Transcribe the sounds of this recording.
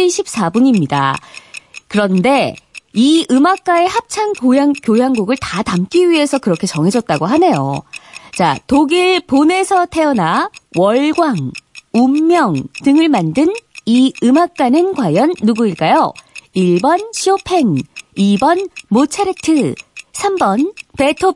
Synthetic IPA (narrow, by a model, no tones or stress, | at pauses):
iɕʰip̚s͈abuɲimɲida̰ | kɯɾʌnde̞iɯmak̚k͈ae̞hap̚t͡ɕʰaŋkjojaŋkjojaŋɡuɡɯɭtatamk͈iɥie̞sʰʌkɯɾʌkʰe̞t͡ɕʌŋɦe̞d͡ʑʌt̚t͈aɡoɦane̞jo̰t͡ɕa̰toɡiɭpone̞sʰʌtʰe̞ʌnawʌɭɡwaŋumːjʌŋtɯŋɯɭmandɯniɯmak̚k͈anɯnkwajʌnːuɡuiɭk͈ajoiɭbʌnɕʰiopʰe̞ŋibʌnmot͡ɕʰeɾetʰɯsʰambʌnpe̞tʰo